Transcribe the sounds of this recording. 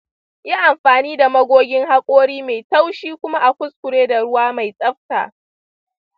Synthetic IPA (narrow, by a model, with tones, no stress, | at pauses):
ji˦ʔa˨mɸaː˨niː˦da˨mɐ˦ɡʷoː˦ɡʲɪ˦ŋɦa˦kʷʼoː˦ɽiː˦ma˨jta˦wʃiː˦kʷʊ˦ma˦ʔa˨kʷʊ˦skʷʊ˨ɽeː˦da˨ɽʊ˦waː˦ma˨jsʼɐ˦ɸta̰ː˨ʔ